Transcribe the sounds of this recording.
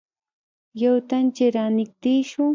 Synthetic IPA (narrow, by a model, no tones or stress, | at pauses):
jawt̪ant͡ʃɪɾanɪk̚t̪iʃʊŋ